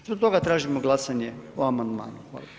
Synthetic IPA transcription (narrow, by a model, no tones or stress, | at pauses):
zbot̪o̞ɡat̪ɾaːʒimoɡlˠasaɲeoamand̪ma̰ːnuxʋa̰ːlˠa